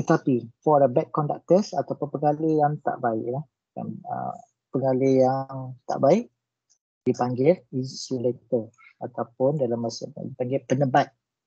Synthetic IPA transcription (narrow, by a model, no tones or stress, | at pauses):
t̪ət̪apifɔdəbɛt̪̚kɔnda̰k̚t̪əsat̪awpʊnpəŋalejaŋt̪a̰ʔbaɪ̰ʔlah | ja̰nə̰ | pəŋalejaŋt̪a̰ʔbaɪʔ | d̥ipaŋɡɪlisilɛk̚t̪ə | at̪awp̚ʊndalamːasaə̰dipaŋɡɪlpənəbat̪̚